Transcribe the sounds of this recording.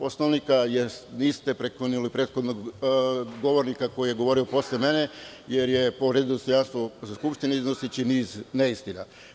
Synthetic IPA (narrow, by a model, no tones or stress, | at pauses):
osnoʋnikajesniːst̪epɾekonilipɾeːt̪xo̞d̪noɡ | ɡo̞ʋo̞ɾnikako̞ijeɡo̞ʋo̞ɾio̞po̞slʲeme̞nejeɾje̞poʋɾed̪d̪ost̪ojanst̪ʋozskupʃt̪ineiznosit͡ɕiniːzneist̪ina̰